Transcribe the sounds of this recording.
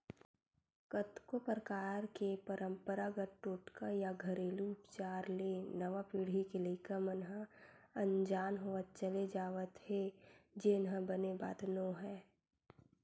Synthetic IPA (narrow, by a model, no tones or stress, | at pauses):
kət̪kopəɾəkaːɾkepəɾʔə̃mpəɾaɡəɾʈoːʈkajaɡʱəɾeːluːpt͡ʃaːɾlenəʋapiɽ̤ikelekəmənɦə | ə̃nd͡ʒaːnɦoːət̪̚t͡ʃəled͡ʒaːʋət̪hed͡ʒenɦə̃bəneba̰ːd̪nõɦɛː